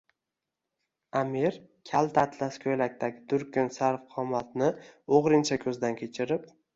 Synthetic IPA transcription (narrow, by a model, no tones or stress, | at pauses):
amiɾ | kʲʰalˠt̪ʰat̪laskʲʰojlak̚ʲt̪ʰaɡʲɪd̪ʊɾkʲʰʊnsaɾfqʰɒmat̪nɪoʁɾɪnt͡ʃʰakʲʰɵzd̪ankʲʰe̞t͡ʃʰɪɾɪp